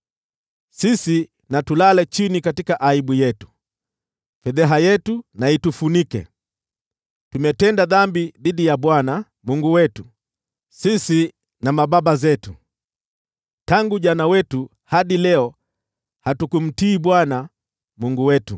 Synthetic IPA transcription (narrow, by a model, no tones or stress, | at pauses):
sisi | natulalɛt͡ʃinikatikaʔaiɓujɛtu̥ | fɛðɛɦajɛtunaitufunikɛ̰ | tumɛtɛndaðambiðiɗijaɓwana | muŋɡuwɛtu | sisi | namaɓaɓazɛtu | taŋɡuʄanawɛtu | haɗilɛɔ | hatukum̩tiːɓwana | muŋɡuwɛtu